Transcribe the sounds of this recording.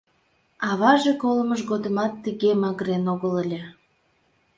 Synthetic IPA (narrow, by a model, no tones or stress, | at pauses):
ɑβɑʒekoləməʃ̬ɣod̪əmɑt̪ːəɣemɑɣəɾenoɣəlelʲe